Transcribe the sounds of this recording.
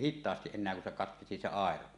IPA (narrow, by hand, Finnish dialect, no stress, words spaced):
hitˑɑːstiʔ ʔenˑeæ kun se kɑtkesi se ɑˑero